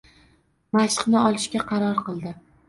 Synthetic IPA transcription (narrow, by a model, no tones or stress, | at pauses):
maʃqnɪɒlˠɪʃkʲaqʰɑɾɒɾqɨlˠd̪ɪ